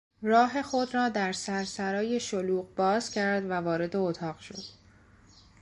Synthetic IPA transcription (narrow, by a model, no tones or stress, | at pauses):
rɒːɦe̞xo̞d̪rɒːd̪æɾsæɾsæɾɒːje̞ʃoluːɢbɒːzcʰæɾd̪vævɒːɾe̞d̪e̞ot̪ʰɒːʁ̥ʃo̞̰d̪̥